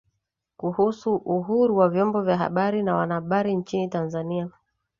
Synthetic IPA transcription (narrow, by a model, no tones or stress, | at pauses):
kuhusuʔuɦuɾuwavjɔmbɔvjaɦa̰ɓaɾinawa̰naaɓaɾint͡ʃinitanzania